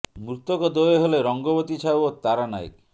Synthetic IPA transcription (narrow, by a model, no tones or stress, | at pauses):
mɾut̪ɔkɔd̪oeɦoleɾɔŋɡɔbot̪it͡ʃʰawot̪aɾana̰j̰k